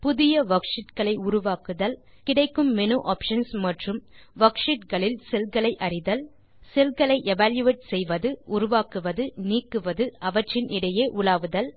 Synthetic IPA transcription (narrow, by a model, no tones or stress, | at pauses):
pʊðɪjɐʋɐkʂɪʈkɐɭɐɪʊɾʊʋaːkɯðɐl | kɪɽɐɪkːɯmːɛnuʔaːpʂɐnsmɐʈrɯmʋɐkʂɪʈkɐɭɪlsɛlɣɐɭɐɪʔɐɾɪðɐl | sɛlɣɐɭɐɪʔɛʋaːljɯʋeːʈ̚sɛjʋɐðɯʊɾʊʋaːkɯʋɐðɯniːkːɯʋɐðɯɐʋɐʈrɪnʔɪɽɐjeːʔʊlaːʋɯðɐl